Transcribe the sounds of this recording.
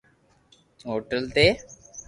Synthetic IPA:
ɦoːʈəlt̪e

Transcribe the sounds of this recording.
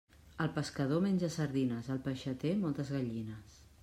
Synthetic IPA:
əlˠpəskəðomenʲʒəsəɾðinəzəlˠpəʃət̪emɔlˠt̪əzɣaʎinəs

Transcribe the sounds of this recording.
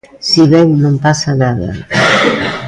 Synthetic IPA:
siβɛŋnõmpasanaðɐ̰

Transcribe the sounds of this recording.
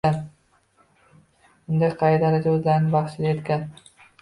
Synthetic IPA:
an | bʊnd̪ajqʰɑjd̪aɾad͡ʒ̪aɵzlaɾnɪbɑχt͡ʃʰɪlajet̪kʲan

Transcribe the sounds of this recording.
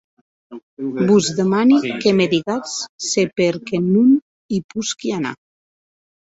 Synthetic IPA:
buzðemanikemeðiɣat͡ssepeɾkenun | ipuskiana̰

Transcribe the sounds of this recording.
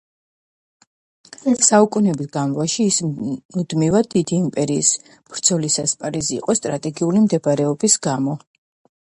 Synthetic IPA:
saukʼunɛbisɡamvaʃiːsmud̪mivad̪id̪iːmpʼɛɾḭːs | b̥ɾd̪z̥ʰɔlisaspʼaɾizḭːqʼɔst̪ʼɾat̪ʼɛɡiulimd̪ɛbaɾɛɔbisɡamɔ

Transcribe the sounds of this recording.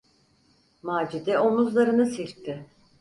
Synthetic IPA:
maːd͡ʒid̪ɛomuzlˠaɾɯnɯsilʲk̚t̪ʰɪ

